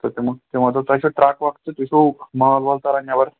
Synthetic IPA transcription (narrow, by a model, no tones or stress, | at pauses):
t̪əɾt̪eməɡ̚t̪emət̪ət̪aɕuʈɾakʋaɡt̪et̪iɕumalbolt̪aɾanijaʋəɾ